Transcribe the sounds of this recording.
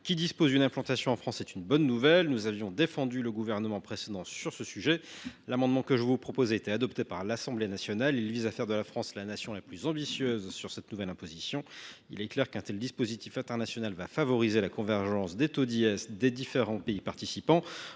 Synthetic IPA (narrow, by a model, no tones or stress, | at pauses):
kʲid̪ispozynɛ̃plɑ̃t̪asjɔ̃ɑ̃fχɑ̃sɛt̪ynbɔnːuvɛlnuzavjɔ̃d̪efɑ̃d̪yləɡuvɛʁnəmɑ̃pχesed̪ɑ̃syʁsəsyʒɛlamɑ̃d̪mɑ̃kəʒəvupχɔpozet̪ɛad̪ɔpt̪epaʁlasɑ̃blenasjɔnalilvizafɛʁd̪əlafχɑ̃slanasjɔ̃laplyzɑ̃bisjøzsyʁsɛt̪nuvɛlɛ̃pozisjɔ̃ḭlɛklɛʁkɛ̃t̪ɛld̪ispozit̪ifɛ̃t̪ɛʁnasjɔnalvafavɔʁizelakɔ̃vɛʁʒɑ̃sd̪et̪od̪iɛsd̪ed̪ifeʁɑ̃peipaʁt̪isipɑ̃